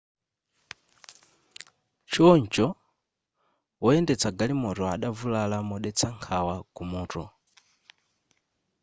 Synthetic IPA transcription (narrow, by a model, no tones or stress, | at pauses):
t͡ʃʰɔɲt͡ʃɔ | wɔɛndɛt͡sʰaɡalimɔtɔa̰ɗavulalamɔɗɛt͡sʰaŋkʰawakumɔːtɔ